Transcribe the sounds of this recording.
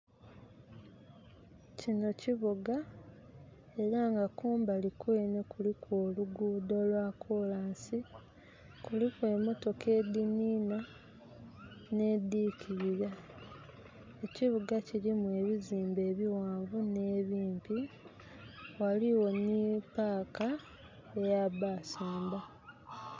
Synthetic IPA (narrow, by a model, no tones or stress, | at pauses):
cino̞ciβuɡa | e̞ɾaŋɡakuːmbalikwe̞ːne̞kulikʰwoluɡuːdo̞lwakʰolaːnsi | kulikwe̞ːmo̞to̞ke̞ːd̪iniːna | ne̞d̪iːcʰiɾiɾa | e̞ciβuɡacilimuwe̞βiziːmbe̞ːβiwaːɱvune̞ːβiːmpi | waliwo̞nipaːka | ejaβaːsuːmba